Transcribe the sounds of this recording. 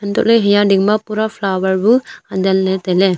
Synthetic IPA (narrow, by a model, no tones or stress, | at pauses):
ant̪ɔʔlejɦɛjaɖiŋmapuɾapʰlawəɾbuad̪ɛlnɛt̪ɛlɛ